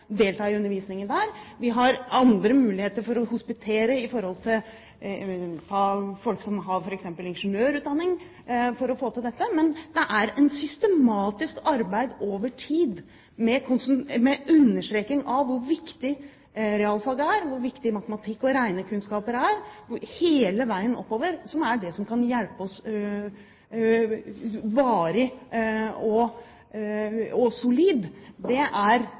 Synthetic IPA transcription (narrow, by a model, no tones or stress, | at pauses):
d̪eːlt̪ʰɑːɪʉnəɾʋiːsnɪŋənd̪æːɾʋɪɦɑɾɑnd̪ɾəmʉːlɪheːt̪əɾfɔɾɔhʊspɪt̪ʰeːɾəɪfɔɾhɔlt̪ʰɪl | t̪ʰɑːfɔlksɔmɦɑɾfɔɾɛksɛmpəlɪnʂnøːɾʉːt̪d̪ɑnːɪŋ | fɔɾɔfoːt̪ɪld̪ɛt̪ːəmɛnd̪ɛʔæɾɛnsʏst̪əmɑːt̪ɪskɑɾbæɪd̪oːʋəʈʰiːd̪ | mɛkʰʊnsnmɛʉnːəʂʈɾeːkːɪŋɑːʊɾʋɪkt̪ɪ | ɾɛɑːlfɑːɡəæɾʋʊɾʋɪkt̪ɪmɑt̪əmɑt̪ʰɪkːɔɾæɪnəkʰʉnskɑːpəɾæɾʊheːləʋæɪənɔ̰pːoːʋəɾsɔmæɖɛsɔmkʰɑnjɛlpəɔs | ʋɑːɾɪ | ɔ | ɔsʊliːd̪d̪ɛʔæɾ